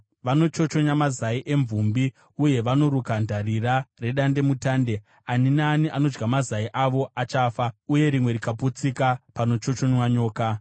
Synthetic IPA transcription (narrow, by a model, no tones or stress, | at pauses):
ʋano̞t͡ʃo̞t͡ʃo̞ɲamazaiʔe̞ɱvumbi | uje̞ʋano̞ɾukandʱarirare̞ɗande̞mutaːnde̞ | aninaːniʔano̞d͡ʒɡamazaiʔaʋo̞ʔat͡ʃaːfauje̞ɾimwe̞ɾikaput͡sikapano̞t͡ʃo̞t͡ʃo̞ɲwaɲo̞ːka